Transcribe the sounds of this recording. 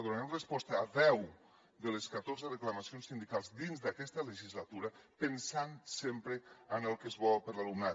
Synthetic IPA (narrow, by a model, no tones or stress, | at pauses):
ðuɾananrəspɔst̪əːðɛw | d̪ələskat̪oɾzərəklamasionsːind̪ikalˠzd̪inzd̪akɛst̪ələʒizlat̪uɾəpənsansempɾəənəlˠkəzβɔpəɾlalumna